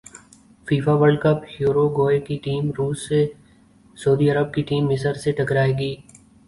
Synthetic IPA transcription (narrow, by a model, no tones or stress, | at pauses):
fiːfaʋəɭɖkəphjuːɾoɡoːekiʈiːmɾuːsːe | sɐːd̪iɐɾəb̚kiʈiːmːɪsəɾseʈɐkɾaːeːɡiː